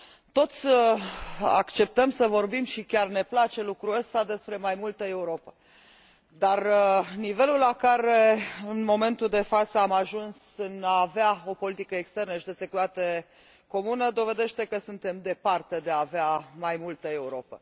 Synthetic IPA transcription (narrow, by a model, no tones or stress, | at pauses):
t̪o̞t̪sʲə | a̰kt͡ʃe̞p̚t̪əmsəvo̞rbimʃikʲarne̞plat͡ʃe̞lukɾuəst̪ad̪e̞spɾe̞majmult̪əe̞uɾo̞pə̥ | d̪arnive̞lulːakaɾe̞ɨnmo̞me̞nt̪uld̪e̞fat̪səamaʒunsɨnaːveao̞po̞lit̪ikəekst̪e̞rnəʃid̪ese̞kut̪at̪e̞ | ko̞munəd̪o̞ve̞d̪e̞ʃt̪e̞kəsunt̪e̞md̪e̞part̪e̞d̪e̞aːveamajmult̪əe̞uɾo̞pə̰